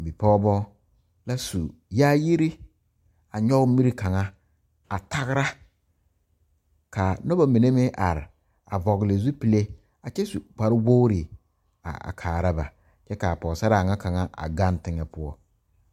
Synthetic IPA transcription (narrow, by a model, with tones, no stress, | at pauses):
bi˨pʰɔː˦bɔ˦ | la˦su˨ja˦ji˦ɾi˦ | a˨ɲɔ˦wmĩ˦ɾi˦kʰã˨ŋã˦ | a˨tʰa˦ɣɾa˦ | kʰa˨nɔ̃˦bɔ˨mĩ˨nẽ˦mɪ̃˦ʔa˨ɾɪ˨ | a˨vɔ˨ɡlɪ˨zu˦pi˨le˦ | a˨t͡ʃɛ˦su˨k͡pa˨ɾɪ˦wo˦wɾɪ˨ | a̰˨a̰˨kʰaː˨ɾa˦ba̰˨ | t͡ʃɛ˦ka˨pɔ˨sa˦ɾa˨ŋã˦kʰã˨ŋã˦ʔa̰˨ɡã˦n˦tɪ̃˦ŋɛ˨pʰʊ˦ɔ˦